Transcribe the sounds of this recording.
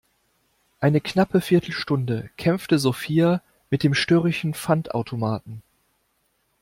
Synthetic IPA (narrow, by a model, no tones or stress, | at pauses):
ʔaɪnəknapʰəfɪɐtʰl̩ʃtʊndəkʰɛmftəzofiːa | mɪt̚d̥eːmʃtøːʁɪʃn̩fantʔa̰ʊtʰomaːt̚n̩